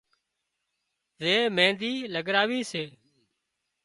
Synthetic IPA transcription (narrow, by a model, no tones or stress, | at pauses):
zeːmẽːnd̪iːləɡɾaːʋiːseː